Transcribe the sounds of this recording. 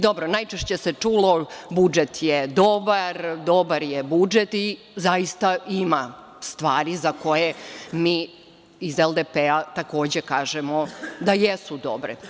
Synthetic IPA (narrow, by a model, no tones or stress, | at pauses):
d̪o̞bɾonajt͡ʃeʃt͡ɕe̞set͡ʂuːlo̞bud͡ʒet̪jed̪o̞baɾd̪o̞baɾjebud͡ʒet̪i | zajist̪aima | st̪ʋaːɾizako̞jemiː | izelˠd̪epeat̪ako̞ːd͡ʑe̞kaːʒemod̪ajesud̪o̞bɾḛ